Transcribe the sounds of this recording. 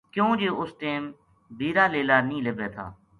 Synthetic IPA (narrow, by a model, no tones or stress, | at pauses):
kjõːd͡ʒeːʊsʈeːm | bʱiːɾaːleːlaːnĩːlebeːt̪ʰa̰ː